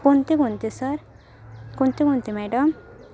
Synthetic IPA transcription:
kunt̪ikunt̪isəɾ | kunt̪ikunt̪imɛɖɔm

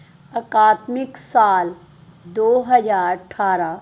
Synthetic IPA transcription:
ɐkaːt̪mɪksaːl | d̪oːɦɐzaːɾəʈʰaːɾa

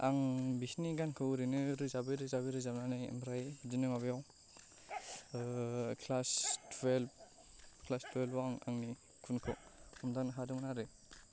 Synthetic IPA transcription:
a̰ŋbisniɡankʰɯɾɯnɯɾɯzabɯɾɯzabɯɾɯzabnanajḛmɾajd͡ʒinɯmaβejaw | kʰlastʰwelb̚ | kʰlastʰwelwaŋa̰ŋni | kʰunkʰɯwhʰɔmdanɯɦadɔŋnaɾɯ

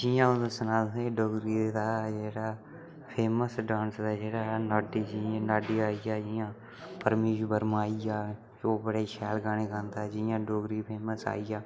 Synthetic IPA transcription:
d͡ʒiːjãːʊnd̪osənaːd̪ẽːɖoːɡɾiːd̪aːd͡ʒeːɽaː | pʰeːməsɖãːnsd̪aːd͡ʒeːɽaːnaːɖiːd͡ʒiãnaːɖiːaːijaːd͡ʒɪjãː | pəɾmiːʃbəɾmaːijaː | oːbəɽeʃʰɛːlɡaːneːkənt̪aːd͡ʒijãːɖoːɡɾiːpʰeːməsa̰ːijaː

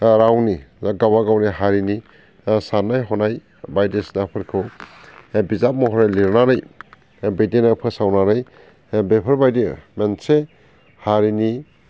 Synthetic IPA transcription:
ɾawniaɡabaɡawniɦaɾini | sanːajɦɔnaj | bajdesnapʰɯɾkʰɯw | bizap̚mɔɦɔɾajliɾnaɾɯj | bedenapʰɯsawnaɾɯj | bepʰəɾbajdimense | haɾini

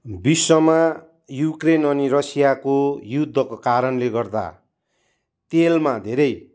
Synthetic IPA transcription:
bisːʌma | jukrenʌnirʌsijakojud̪ʱːʌkokaɾʌnleɡʌrd̪a̰ | t̪elmad̪ʱeɾʌj

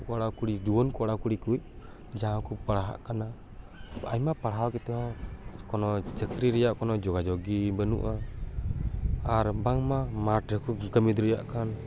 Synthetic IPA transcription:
kɔɽakuɽid̪uwɔnkɔɽakuɽikuc̚ | d͡ʒãkupaɽaɦa̰ʔkana | ajmapaɽɦawkɛt̪ɛɦɔ̃kɔnɔt͡ʃəkɾiɾɛjaʔkɔnɔd͡ʒɔɡad͡ʒɔɡibənṵʔa | aɾbaŋmamaʈɾəkuɡəmid̪ɾɛja̰ʔkan

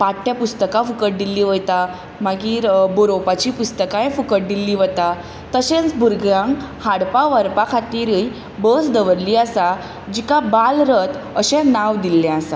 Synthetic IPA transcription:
paʈʰːjapust̪əkãfukəʈ̚d̪ilːiːʋəjt̪a | maɡiːɾboɾopat͡ɕipust̪əkãẽfukəʈ̚d̪ilːiːʋət̪a | t̪əɕẽt͡sbʱuɾɡɾãŋɡhaɽpaʋəɾpakʰat̪iːɾəj | bəsd̪əʋəɾliasa | d͡ʑikabalɾət̪əɕɛ̃naʋd̪ilːɛ̃asa

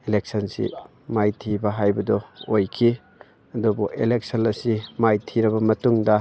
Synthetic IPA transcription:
elek̚sɐnsḭ | majtʰibɐɦajbɐdɔojkʰi | ɐdɔbɔʔelek̚sɐnɐsimajtʰiɾɐbɐmɐtuŋdɐ

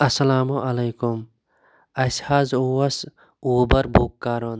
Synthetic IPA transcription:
ɐsɐlaːmoʔɐlɐjkum | ɐshaːzowɐs | uːbɐɾbʱuːkːaːɾon

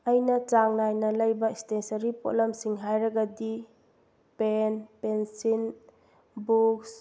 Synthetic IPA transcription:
ɐjnɐt͡ʃaŋnajnɐlɐjbɐistensɐɾipo̰lɐmsiŋɦajɾɐɡɐdi | penpensin | buks

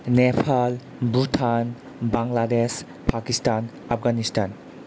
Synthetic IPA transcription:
nepʰal | butʰan | baŋlades | pʰakistan | ap̚ʰɡanistʰan

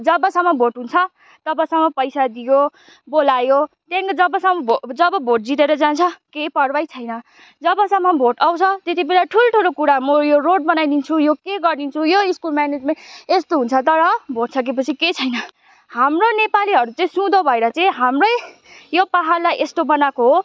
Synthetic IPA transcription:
d͡zʌbʌsʌmːʌbʱoʈɦunt͡sʰʌ | t̪ʌbʌsʌmːʌpʌjsad̪ijo | bolajo | t̪jãŋkad͡zʌbʌsʌmːʌbʱod͡zʌbʌbʱoʈ̚d͡zit̪eɾʌd͡zant͡sʰʌkejpʌrbajt͡sʰʌjnʌ | d͡zʌbʌsʌmːʌbʱoʈawt͡sʰʌt̪et̪ibelaʈʰuloʈʰulokuɾamʌjoroɽ̚bʌnajd̪int͡sʰujokeɡʌrd̪int͡sʰujoiskulmaned͡zmãest̪oɦunt͡sʰʌt̪ʌɾʌbʱoʈsʌk̬epʌt͡sʰiket͡sʰʌjnʌ | hamronepaliɦʌɾut͡saĩsũd̪obʱʌeɾʌt͡saĩɦamrʌj | jopaɦarlajʔest̪obʌnakoɦo

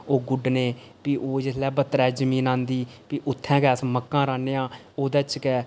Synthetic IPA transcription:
oːɡʊɖneː | piːʔoːd͡ʒɪslɛːbət̪ːɾɛːd͡ʒəmĩːnãːnd̪iːpiːʔʊt̪ʰːɛ̃ːkɛːsməkːãːɾaːneːãː | oːd̪ɛːt͡ʃkɛː

